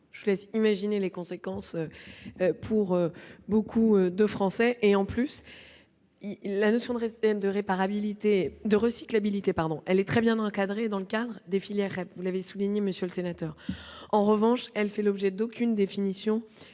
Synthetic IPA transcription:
ʒəvulɛsimaʒinelekɔ̃sekɑ̃sø | pʰuʁøbokʰuød̪əfχɑ̃sɛʔeɑ̃plys | ilanosjɔ̃d̪d̪əʁepaʁabilit̪ed̪əʁəsi̥klabilit̪epaʁd̪ɔ̃ʔɛlɛt̪χɛbjɛ̃nɑ̃kad̪ʁed̪ɑ̃ləkad̪ʁd̪efiljɛʁːɛpvulavesuliɲeməsjølsenat̪œːʁɑ̃ʁəvɑ̃ʃɛlfɛlɔbʒɛd̪okʲynd̪efinisjɔ̃

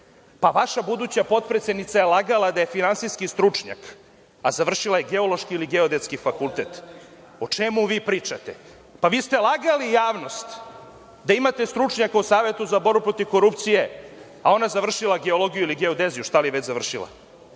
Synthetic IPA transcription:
paʋaʃabud̪ut͡ɕapo̞t̪̚pɾet̪sed̪nit̪sajelˠaɡalˠad̪ajefinansiskist̪ɾut͡ʂɲa̰k | azaʋr̩ʃilajeɡeo̞lo̞ʃkiiliɡeod̪et̪skifakulˠt̪et̪ | ot͡ʂemuʋiːpɾiːt͡ʂat̪e | paʋiːst̪e̞lˠaɡalijaːʋno̞st̪ | d̪aimat̪e̞st̪ɾut͡ʂɲakausaːʋe̞t̪uzabo̞ɾbupɾo̞t̪iʋko̞ɾupt̪sije̞ | ao̞nazaʋr̩ʃilˠaɡe̞olˠo̞ɡijuiliɡe̞od̪ezijuʃt̪alieʋet͡ɕzaʋr̩ʃilˠa̰

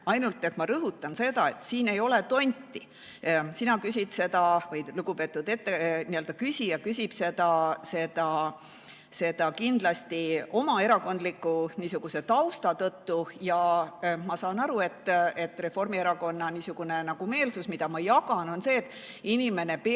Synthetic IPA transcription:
ɑjnult̪ːˑe̞t̪ˑmɑɾɤɦut̪ːˑɑnse̞d̪ɑe̞t̪siːne̞jo̞le̞t̪o̞nʲt̪ːˑi | sinɑkysʲid̪̥se̞d̪ɑvɤjluɡ̥upe̞ːt̪ːˑud̪e̞t̪ːeniøld̪ɑkysʲijɑkysʲib̥se̞d̪̥ɑse̞d̪ɑ | se̞d̪̥ɑkind̪̥lɑst̪io̞mɑe̞ɾɑko̞nd̪likːˑuniːsuɡ̥use̞t̪ɑwst̪ɑt̪ɤt̪ːujɑmɑsɑːnɑɾue̞t̪ːe̞t̪ːˑre̞fo̞rmie̞ɾɑko̞nːɑniːsuɡ̥une̞nɑɡ̥ume̞ːlsusmid̪̥ɑmɑjɑɡɑno̞nse̞ːt̪ːˑ | inʲime̞ne̞p

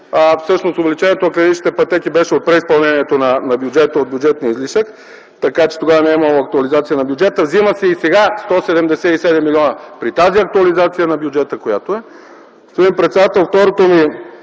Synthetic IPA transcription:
fsɤʃnosovɛlit͡ʃɛniɛt̪onɐklʲɛit͡ʃnit̪ɛpɐt̪ɛkibɛʃɛot̪̚pɾɛispɐlˠnɛniɛt̪onɐnɐbjud͡ʒɛt̪əod̪̚bjʊd͡ʒɛt̪niəizliʃək | t̪ɐkat͡ʃɛ̥t̪oɡavənɛiməlˠoɐk̚t̪ʊɐlizat̪siənɐbʲjʊd͡ʒɛt̪əvziməsɛisɛɡast̪ɔsɛd̪ɛmd̪ɛsɛisɛd̪ɛmːilʲiɔnəpɾit̪aziɐk̚t̪uɐlizat̪sijənɐbjʊd͡ʒɛt̪əkojat̪oɛ | st̪oimpɾɛt̪sɛd̪at̪ɛlˠft̪ɔɾot̪omi

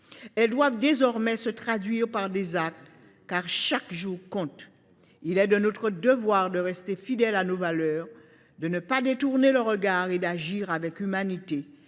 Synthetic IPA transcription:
ɛld̪wavd̪ezɔʁmɛsət̪χad̪ɥiʁpaʁd̪ezak̚t̪ | kaʁʃakʒuʁkɔ̃t̪ | ilɛd̪ənot̪χəd̪əvwaʁd̪əʁɛst̪efid̪ɛlanovalœːʁ | d̪ənəpad̪et̪uʁneləʁəɡaʁed̪aʒiʁavɛkymanit̪e

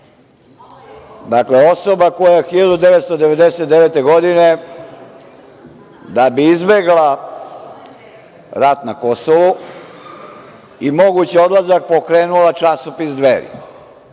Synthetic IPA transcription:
d̪akle̞o̞so̞bako̞jajexiʎad̪ud̪e̞ʋet̪st̪od̪e̞ʋe̞d̪eset̪d̪eʋet̪e̞ɡo̞d̪ine̞ | d̪abiizbeɡla | ɾat̪nako̞soʋu | imo̞ɡut͡ɕio̞d̪lazak̚po̞kɾe̞ːnulat͡ʃasopisd̪ʋeɾḭ

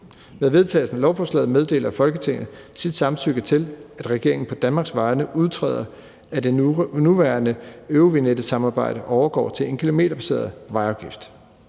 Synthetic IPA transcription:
meðˠʋe̝ð̞ˠt͡sʰɛ̰ːlsn̩lɒʊfɒːslɛ̰ːð̞̩ˠmeð̞ˠd̥e̝̰ːlɐfɒ̽lɡ̥ət͡sʰe̝ŋ̰ð̩ˠ | sid̥sɑ̈msyɡ̥ət͡sʰe̝læd̥ʁɛɡ̥e̝ɐ̰e̝ŋn̩pʰɒ̽d̥ænmɑ̈ːɡ̥sʋɑ̈ɪnəʔuð̞ˠt͡sʰʁɛ̰ːð̰ˠɐ | æd̥enuʋæɐnəøoʋined̥əsɑ̈mɑ̈ːb̥ɑ̈ɪ̰d̥əʔɒʊɐɡ̥ɒ̰ːt͡sʰe̝le̝nkʰilo̝me̝̰ːdɐb̥ʰæse̝̰ːɐðˠʋɑ̈ɪɑ̈ʊɡ̥ifd̥

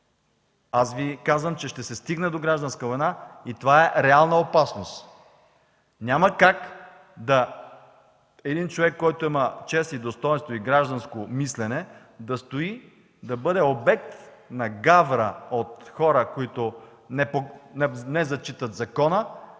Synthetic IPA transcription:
asvikazvəmt͡ʃɛʃt̪ɛsɛst̪iɡnɛd̪oɡɾaʒd̪ɐnskəvojnait̪ovaɛɾɛalˠnəopasnost̪ | nʲamɐkak | d̪ɐ | ɛd̪int͡ʃovɛkːɔjt̪ʊimət͡ʃɛst̪id̪ost̪ɔjɛnst̪voiɡɾaʒd̪ɐnskomislɛnɛ | d̪ɐst̪oi | d̪ɐbɤd̪ɛobɛk̚t̪nɐɡavɾəot̪xɔɾəkoit̪o | nɛponnɛzɐt͡ʃit̪ət̪zɐkɔnə

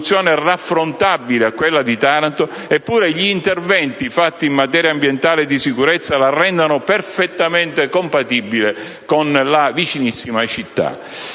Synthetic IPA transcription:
t̪sːjɔːnerafːɾont̪abileakwelːad̪it̪aɾant̪o | epːuːɾeʎiːnt̪ervɛnt̪ifat̪ːiːmːat̪ɛːɾjambjɛnt̪aːled̪isikuɾɛt̪sːalarɛnd̪anoperfet̪ːament̪ekompat̪ibːile | konlavit͡ʃinisːimat͡ʃit̪ːa̰

